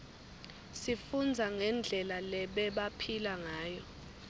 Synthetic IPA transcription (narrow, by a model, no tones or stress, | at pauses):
sifund͡zʱaŋɛnd͡ɮʱɛlalɛɓɛɓapʰilaŋaːjɔ